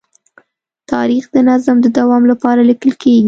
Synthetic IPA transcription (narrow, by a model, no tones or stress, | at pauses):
t̪ʰɑ̰ɾixd̪ənazamd̪əd̪awɑmlapɑɾalikəlkeɡi